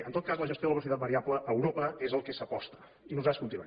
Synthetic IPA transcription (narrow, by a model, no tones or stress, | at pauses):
ənt̪ot̪̚kazləʒəst̪joðəβɾus̬it̪at̪̚bəɾiapləʔəwɾopəezəlˠkɛsəpɔst̪ə̥ | inuzat̪skunt̪ina